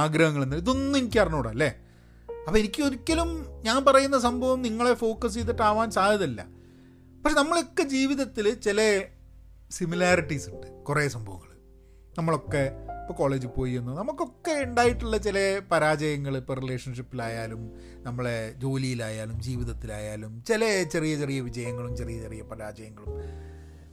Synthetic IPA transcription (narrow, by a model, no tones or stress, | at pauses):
aːɡɾɐhɐŋːɐɭenːaliðo̞nːenikʲːpɐrɐnoːɽɐlːe | ɐpːɐenikʲːɨo̞ɾikʲːɐlumɲaːnpɐrɐjunːɐs̬ɐmbʱɐʋɐmniŋːɐɭe̞fo̞ːkɐs̬t͡ɕejt̪̬ːiʈːaːʋaːnsaːd̪ɐðɐlːɐ̰ | pɐkʂenɐmːɐɭo̞kːe̞d͡ʑiːʋiðɐt̪ːilt͡ɕilɐ | similaːriʈːisuɳɖɨkureːsɐmbʱɐʋɐ̰ŋːɐɭɨ | nɐmːɐɭo̞kːe̞pːoko̞ːɭe̞ːd͡ʑupo̞ːjienːunɐmukːo̞kːe̞eɳɖaːjiʈːuɭːɐt͡ɕilɐpɐɾaːd͡ʑɐjɐŋːɐɭɨpːɐrileːʂɐnʂipːilaːjaːlum | nɐmːɐɭed͡ʑo̞ːlijilaːjaːlumd͡ʑiːʋiðɐt̪ːila̰ːjaːlumt͡ɕelɐt͡ɕerijɐt͡ɕe̞rijɐʋid͡ʑɐjɐŋːɐɭumt͡ɕe̞rijɐt͡ɕe̞rijɐpɐɾaːd͡ʑɐjɐŋːɐɭum